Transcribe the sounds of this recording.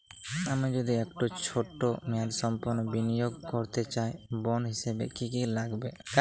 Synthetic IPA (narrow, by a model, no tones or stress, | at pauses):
amad͡ʒod̪iɛkʈot͡ʃʰoʈːomɛaɾsɔmpɔɾnɔbinijoɡ̚kɔɾt̪et͡ʃajbɔnɦisebḛkikilaɡbeka